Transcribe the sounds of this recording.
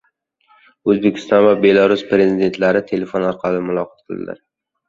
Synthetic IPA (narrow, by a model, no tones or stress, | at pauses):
ɵzbekʲʰɪ̥st̪ɒnvabe̞laɾʊspɾe̞zid̪e̞nt̪laɾɪt̪ʰe̞le̞fonɒɾqʰɑlɪmʊlˠɒqʰɑ̥t̪̚qʰɨlˠd̪ɪ̰la̰ɾ